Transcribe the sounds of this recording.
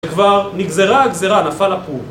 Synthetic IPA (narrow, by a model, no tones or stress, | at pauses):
ekvaʁniɡze̞ʁaːɡzeʁanafalapul